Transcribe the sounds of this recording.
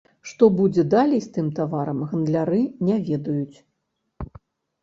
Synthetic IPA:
ʂt̪ɔbud͡zʲɛd̪alʲɛjst̪ɨmt̪avaɾɐmɣɐnd̪lʲaɾɨnʲɛvʲɛd̪ɐjut͡sʲ

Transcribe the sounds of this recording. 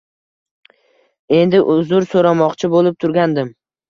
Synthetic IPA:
e̞nd̪ɪʔʊzʊɾsoɾamɒqt͡ʃʰɪbolˠɪp̚t̪ʰʊɾɡʲand̪ɪm

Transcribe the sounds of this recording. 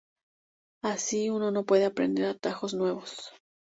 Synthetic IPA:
asiuno̞no̞pwe̞ðe̞apɾe̞̰nd̪e̞ɾat̪axo̞znwe̞β̞o̞s

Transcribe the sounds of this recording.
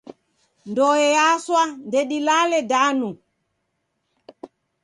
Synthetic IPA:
ndɔjɛjaswandɛɗilalɛdanu

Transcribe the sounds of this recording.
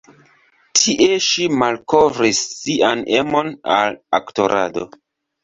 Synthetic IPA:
tʰiʔe̞ʃimalkovɾisːianemo̞na̰lakto̞ɾa̰do̞̰

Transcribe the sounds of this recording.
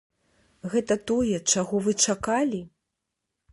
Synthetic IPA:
ɣɛt̪ɐt̪ɔjɛt͡ʂaɣɔvɨt͡ʂakalʲi

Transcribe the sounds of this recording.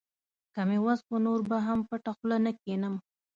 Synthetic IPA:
kamewaspənoɾbaɦampəʈaxlanakenəm

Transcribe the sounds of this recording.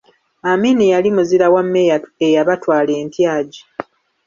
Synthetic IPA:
amenejalimuziɾawamːejaejaβatwaːle̞ːntjaːɟi

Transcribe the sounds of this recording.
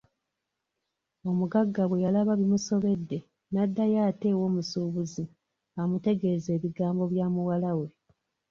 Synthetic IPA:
o̞muɡaɡːaβwe̞jalaβaβimuso̞βe̞dːe̞ | nadːajaːte̞ːwo̞ːmusuːβuzi | amute̞ɡe̞ze̞ːβiɡaːmbo̞βjaːmuwalawe̞

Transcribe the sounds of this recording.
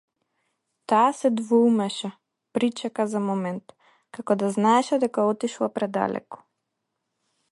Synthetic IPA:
t̪aːsɛd̪vɔumɛʃa | pɾit͡ʃakazamɔmɛnt̪ | kakɔd̪aznaɛʃɛd̪ɛkaɔt̪iʃlˠapɾɛd̪a̰lɛ̰kɔ̥

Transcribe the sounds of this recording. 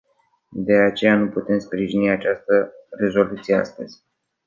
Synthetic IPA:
d̪e̞at͡ʃe̞januput̪e̞mspɾiʒiniat͡ʃast̪əre̞zo̞lut̪sijea̰st̪əz̥ʲ

